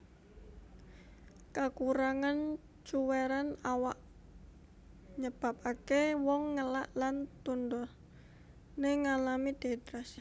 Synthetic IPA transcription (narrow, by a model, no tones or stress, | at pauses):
kakuɾaŋan | t͡ʃuweɾanawaʔ | ɲəb̥a̤p̚akewɔŋːəlaʔlant̪undɔ | neŋalamid̪̥e̤t̪ɾas